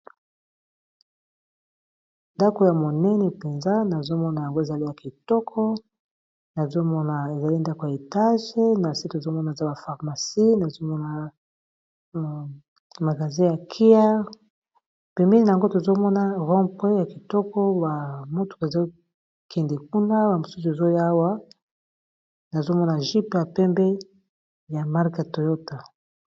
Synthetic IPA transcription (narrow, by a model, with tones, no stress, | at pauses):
nda˦ko˨ja˨mo˨nɛ˦nɛ˨pe˨nza˦na˨zo˦mɔ˦na˨ja˨ŋɡo˦e˨za˨li˦ja˨ki˨tɔ˦kʰɔ˦ | na˨zo˦mɔ˦na˨e˨za˨li˦nda˦ko˨ja˨e˨ta˦ʒe˦na˨si˦to˨zo˦mɔ˦na˨e˨za˦ba˨fa˨ʁma˨si˦na˨zo˦mɔ˦na˨ | ma˨ɡa˨zĩ˦ja˨kʰi˦a˦ | pɛ˨mi˦i˦na˨ŋɡo˦to˨zo˦mɔ˦na˦ʁɔ̃˦mpe˦ja˨ki˨tɔ˦kɔ˦ba˨mo˦tu̥˨ke˨za˦ | kʰɛ˨ndɛ˨ku˦na˦ba˨mo˨su˦s̬u˨e˨zo˦ja˦wa˦ | na˨zo˦mɔ˦na˨ʒi˦pja˨pɛ˦mbɛ˦ | ja˨ma˦ʁka˨to˨jo˦ta˨